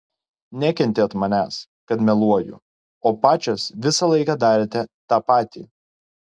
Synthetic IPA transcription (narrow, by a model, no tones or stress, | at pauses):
nʲækʲɛnʲt̪ʲeːt̪mɐnʲæːs | kɐt̪mʲɛlˠuɔjʊ̰ | oːpɑːt͡ʃʲosʋʲɪsɑlˠɐɪkɑd̪ɑːɾʲeːt̪ʲɛt̪ɑːpɑːt̪ʲḭː